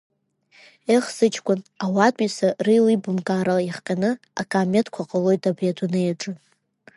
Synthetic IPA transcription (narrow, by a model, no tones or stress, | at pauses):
eχsɨt͡ʃʰʼkʷʼʊnawatʼisarɨjlibɨmkʼaɾajiχqʲʼanɨ | a̰kʼaːmetʰkʷʰaqʼəlo̞jtʰʼabijadʷunɨjaʈ͡ʂʼɨ